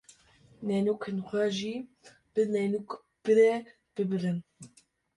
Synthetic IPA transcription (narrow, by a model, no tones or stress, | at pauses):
nɛnukʰɨnxʷɛʒi | b̥ɨnɛnuk | b̥ɨɾɛ | b̥ɨbɨɾɨn